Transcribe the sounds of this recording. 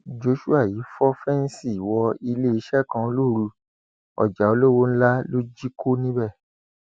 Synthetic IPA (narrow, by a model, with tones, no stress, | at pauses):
d͡ʒo˧˦ʃu˦a˦˨ji˨˦fɔ˦fɛ˦n̩˦si˦˨wɔ˧i˧le˦i˧˦ʃɛ˦˨kã˧o˧˦lo˦˨ɾu˧ | ɔ̰˨d͡ʒa˨o˧lo˦wo˦n̩˦la˦lo˦d͡ʒi˦ko˦nĩ˦bɛ˦˨